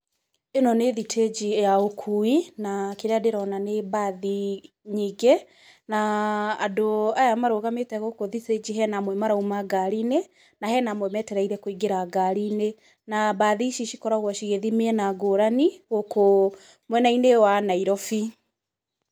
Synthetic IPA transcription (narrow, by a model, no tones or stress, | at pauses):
enɔneðitʰed͡ʒijaokʰuinakeɾeadeɾɔnanebaði | ɲiɡɛ | naːdoajamaɾoɣametɛɣokoðited͡ʑiɦɛnamwɛmaɾaumaɡaɾiːne | naɦɛnamwɛmɛtɛɾaiɾɛkoiɡeɾaɡaɾine | nabaðiʃiʃikɔɾaɣwɔʃiɣeðimeɛnaɡoɾaniɣoko | mwɛnainewanaiɾɔfi